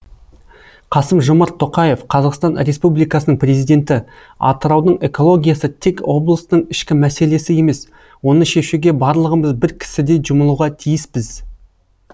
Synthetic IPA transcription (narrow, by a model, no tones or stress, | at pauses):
qʰɑsəmʒomɑɾt̪ʰːo̞qɑje̞fqʰɑzɑqst̪ɑnɾʲe̞spublijkɑsənəɴpɾʲe̞zijd̪e̞nt̪ɪ | ɑ̰t̪əɾɑwd̪əɴe̞ko̞lˠo̞ɡʲijasət̪ʰe̞kwo̞blˠəsəɴɪʃkʲɪmæse̞le̞sɪje̞me̞s | wo̞nəʃe̞ʃuɡʲe̞bɑɾlˠəʁəməzbɪɾkʲʰɪ̥sɪd̪e̞jʒʊməlˠuʁɑt̪ʰijɪsbɪz